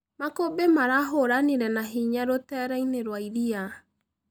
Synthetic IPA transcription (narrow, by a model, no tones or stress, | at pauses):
makobemaɾaɦoɾaniɾɛnaɦiɲaɾotɛɾaineɾwaiɾia